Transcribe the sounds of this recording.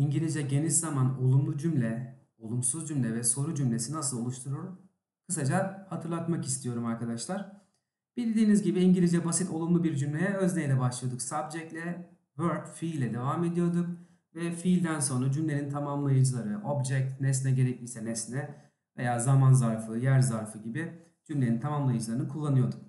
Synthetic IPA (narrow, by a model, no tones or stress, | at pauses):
iɲɟilʲizɛɟe̞nizzamano̞lˠumlˠud͡ʒymlʲɛ | o̞lˠumsuzd͡ʒymlʲɛvɛso̞ɾud͡ʒymlʲe̞sinasɯlˠo̞lˠuʃt̪ʰuɾuɾ | kʰɯs̬ad͡ʒahat̪ʰɯɾlˠat̪makist̪ʰijo̞ɾumaɾkad̪aʃlˠaɾ̥ | b̥ilʲd̪iːnizɟibiːɲɟilʲid͡ʒɛbasit̪ʰo̞lˠumlˠubiɾd͡ʒymlʲejɛøzlʲejlʲɛbaʃlˠɯjo̞d̪uksabd͡ʒɛc̚lʲɛ | vøɾd̪filʲɛd̪e̞vame̞d̪ijo̞ɾd̪uk̚ | vɛfilʲd̪ænso̞nɾad͡ʒymlʲe̞nint̪ʰamamlˠajɯd͡ʒɯlˠaɾɯʔo̞bd͡ʒɛk̚t̪nɛs̬nɛɟe̞ɾɛclʲijsɛnɛsnɛ | vejaːzamanzaɾfɯjæɾzaɾfɯɟibɪ | d͡ʒymlʲenint̪ʰamamlˠajɯd͡ʒɯlˠaɾɯnɯkʰulˠːanɯjo̞ɾd̪uk